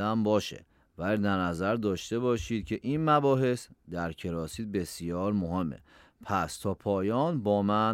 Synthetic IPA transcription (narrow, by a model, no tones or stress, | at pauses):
æmbɒːʃḛ | væld̪æɾnæzæɾd̪ɒːʃt̪e̞bɒːʃiːd̪̚cʰeʔinmæbɒːɦe̞sd̪æɾcʰe̞ɾɒːsiːt̪̚be̞sijɒːɾmohe̞mːḛ | pʰæst̪ʰɒːpʰɒːjɒːnbɒːmæn